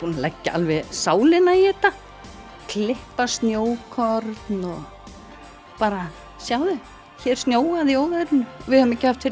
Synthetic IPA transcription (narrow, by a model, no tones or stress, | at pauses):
puːnalɛcːaʔa̰lvɛsaːwlɪnaiɛːt̪a | kʰlɪhpast̪njoːwkʰɔɾt̪nɔɣ | paːɾa | sjaːwðʏ | çɛːɾ̥st̪njoːwaðjoːwɣaɾnʏvɪðhœmɛcɪhaft̪fɪɾ